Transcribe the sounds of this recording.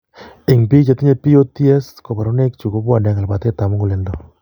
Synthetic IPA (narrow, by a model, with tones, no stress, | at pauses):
ɪ˨ŋpi˦kt͡ʃa˨ti˦ɲe˨pi˦o˦ti˦ɛ˦sko˨pa˨ɾo˦ne˦kt͡ʃu˨ko˦pwa˨nɛ˨ŋa˨lpa˨te˦ta˨mu˦ŋɡu˨le˨ndo˦